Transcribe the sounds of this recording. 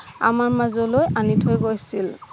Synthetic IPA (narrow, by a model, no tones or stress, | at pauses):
a̰maɹmazɔlojanitʰojɡojsil